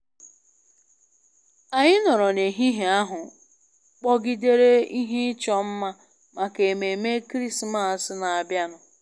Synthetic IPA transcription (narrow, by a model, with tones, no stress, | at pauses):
a˨ɲɪ˦nɔ˨ɾɔ˨ne˨ɦi˦ɦe˨a˦ɦʊ˨ | k͡pɔ˦ɡi˦de˦ɾe˦i˦ɦe˦ɪ˦t͡ʃɔ˦m̩˦ma˦ | ma˨ke˨me˨me˦kɾi˦sma˨sɪ˦na˨a˨bja˦nʊ˨